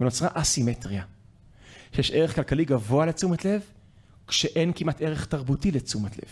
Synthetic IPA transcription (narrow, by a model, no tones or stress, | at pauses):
veno̞t͡sʁaʔasimetʁia | ʃejeʃʔeʁe̞χkalkaliɡavo̞alet͡sumatle̞v | kʃeʔe̞nkimʔateʁeχtaʁbutilet͡sumatlḛv̥